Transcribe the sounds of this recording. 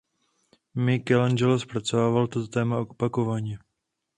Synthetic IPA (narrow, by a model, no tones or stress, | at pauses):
mɪkɛlanʒɛlospɾat͡so̞vaːvalt̪o̞t̪ot̪ɛːmaʔopako̞vaɲɛ